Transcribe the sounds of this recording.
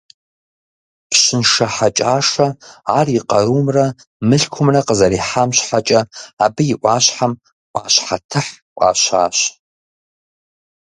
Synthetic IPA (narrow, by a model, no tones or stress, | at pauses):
pɕɪnʂɐħat͡ʃʼaːʂɐaːriqɐɾuːmrɐ | mɨɬkʷʰʊmrɐqəzɐɾiħamɕħat͡ʃʼɐabɨjɪʔʷaːɕħam | ʔʷʼaːɕħatʰɨħ | ʔʷʼa̰ːɕa̰ːɕ